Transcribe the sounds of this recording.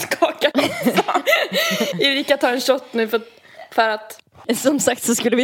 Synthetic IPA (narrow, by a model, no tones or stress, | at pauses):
skʰɑːka | ɪɾɪkːat̪ʰːɑːɛnɕɔt̪ːnʉ̟ːf | fœɾat̪ | sɔmsak̚t̪sɔskʉlːəvɪ